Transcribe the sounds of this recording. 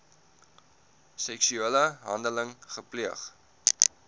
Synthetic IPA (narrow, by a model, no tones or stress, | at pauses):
sɛksyiləɦɐndələŋχəpliəχ